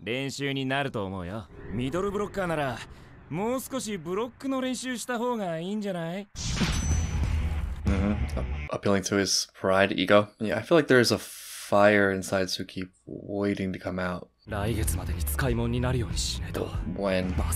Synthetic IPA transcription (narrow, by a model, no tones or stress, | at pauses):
ɾẽ̞ɰ̃ɕɨːɲ̟inaɾɯ̟t̪o̞ːmo̞ɯ̟jomʲid̪o̞ɾɯ̟bɯ̟ɾo̞kːanaɾa | mo̞ːsɨ̥ko̞ɕ̬ibɯ̟ɾo̞kːɯ̟no̞ɾẽ̞ɰ̃ɕɨːɕi̥t̪aɦo̞ːɡaiːɲ̟d͡ʑanai | m̩m̥m̩əpilˠɪ̃ŋtʰɨɪz̥pʰɹ̥aɪɾḭɡoʊj̰a̰ɪfilˠaɪk̚ðə˞zəfaɪə˞ɪ̃nsaɪdz̥tʰɨkʰip̚weɪɾɪ̃ŋtʰɨ̥kʰʌ̃maʊt̚ | ɾaiɡe̞t͡sɨmad̪e̞ɲ̟it͡sɨ̥kaimõɲ̟ːinaɾɯ̟jo̞ːɲ̟iɕinet̪o̰wɛ̃n